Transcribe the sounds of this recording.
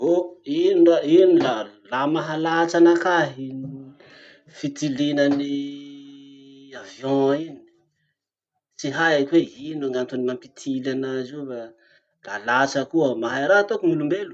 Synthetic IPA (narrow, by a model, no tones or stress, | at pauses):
oiniainilalamaɦalat͡ʃanakaɦ | fit̪ilinəni | avjɔ̃inii̥ | t͡siɦajakweinaŋant̪onimampit̪ʰilanaziva | lalat͡ʃəkuəmaɦajɾat̪okumilumbelu̥